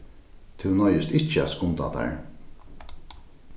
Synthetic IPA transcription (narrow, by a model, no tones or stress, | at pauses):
t̪ʰuwnɔjɪst̪ɪt͡ʃːəæ̰t̪skʊnt̪a̰t̪ʰa̰ɹ